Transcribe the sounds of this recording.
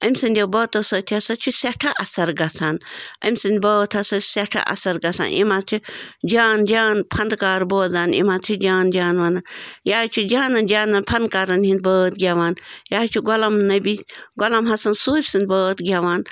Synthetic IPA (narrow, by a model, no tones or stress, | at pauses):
ɐmʲsɨnd̪ʲɐwbəːt̪ɐsɐt̪ʰiɐsɐt͡ʃʰuseʈʰɐʔɐsɐɾɡɐt͡sʰaːnɐ̰mʲsɨnd̪ʲbəːt̪ʰhɐsɐ̥sʲeʈʰɐ̰ʔɐ̰sɐɾɡɐt͡sʰa̰ːnʔḭmat̪ʰid͡ʒaːnd͡ʒaːnpʰɐnd̪kaːɾboːzaːnḭmat̪ʰud͡ʒaːnd͡ʒaːnʋanɐjaːt͡ʃʰud͡ʒaːnɐnd͡ʒaːnɐnpʰɐnkaɾɐnhĩnd̪bəːt̪ɡʲaʋaːnjaːt͡ʃʰuɡolɐmnɐbʲiɡolɐmɦɐsɐnsuːbʲsɨnʲd̪ʲbəːt̪ɡʲaʋaːn